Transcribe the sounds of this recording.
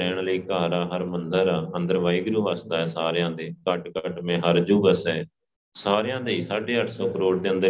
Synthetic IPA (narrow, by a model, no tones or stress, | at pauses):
ɛːɳləiːkaːɾaːɦəɾmənd̪əɾaːənd̪əɾʋaːiːɡəɾuːʋaːsd̪aːɛːsaːɾjãːd̪eːkəʈkəʈmẽːɦəɾd͡ʒuːbəsɛː | saːɾejãːd̪eːiːsaːɖeːəʈʰsɔːkəɾoːɽd̪eːənd̪ə